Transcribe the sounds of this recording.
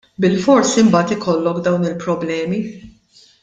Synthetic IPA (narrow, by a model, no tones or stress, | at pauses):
bɪlfɔɾsimbɐːt̪ɪkɔlːɔkd̪ɐwnɪlpɾɔblɛːmi